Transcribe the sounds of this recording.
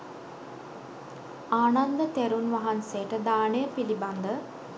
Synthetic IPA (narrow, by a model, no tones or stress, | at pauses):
aːnand̪ət̪eɾunʋaɦansejəʈəd̪aːnejəpiliband̪ə